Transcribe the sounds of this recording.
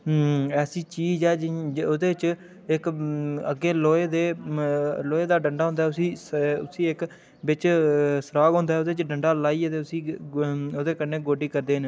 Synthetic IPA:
ɛːsiːt͡ʃiːd͡ʒɛːd͡ʒoːd̪eːt͡ʃ | ɪkə̰ɡːeːloːeːd̪eː | loːeːd̪aːɖəɳɖaːɦʊ̃ːnd̪aɛːʊsĩːʊsĩːɪk | bɪt͡ʃsəɾaːɡɦõːnd̪aːɛːoːd̪eːt͡ʃɖəɳɖaːlaːiːət̪eːʊsĩː | oːd̪eːkəɾnːeːɡoːɖiːkəɾd̪eːɦn

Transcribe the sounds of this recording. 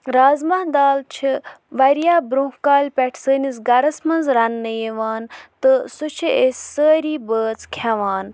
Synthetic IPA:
ɾaːzmaɦd̪aːlt͡ʃʰiʋɐɾijaːbɾũkaːlʲpʲɛʈʰsəːnis̬ɡɐɾɐsmɐnzɾɐnːəjeʋaːnt̪ɨsut͡ʃʰiesʲsəːɾiːbəːt͡skʰaʋaːn

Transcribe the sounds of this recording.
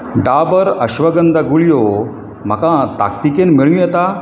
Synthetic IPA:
ɖabəɾəɕʋəɡənd̪aɡuɭijo | m̤əkãt̪a̰k̚t̪ikenmiɭũjɛt̪a

